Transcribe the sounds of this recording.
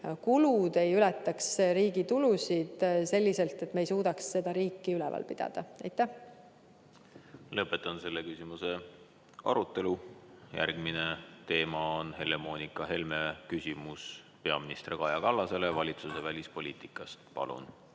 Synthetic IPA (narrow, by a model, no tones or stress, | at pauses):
kulud̪e̞jylɛt̪ːˑɑksɾiːɡ̥it̪ulusid̪̥se̞lʲːise̞lt̪ːˑe̞t̪me̞jsuːd̪̥ɑksːe̞d̪̥ɑɾiːkˑːiylɛvɑ̰lpid̪̥ɑ̰d̪̥ɑæjt̪ˑːæh | lɤpːˑe̞t̪ːˑɑnse̞lːekysʲimuse̞ | ɑ̰ɾut̪ːˑe̞lujæ̰rɡ̥minet̪e̞ːmɑonhe̞le̞mo̞ːnikˑɑɦe̞lme̞kysʲimus | pe̞ɑminist̪rikɑjɑkɑlːɑse̞levɑlʲit̪susevælʲispo̞lʲiːt̪ikːˑɑst̪pɑ̰lṵn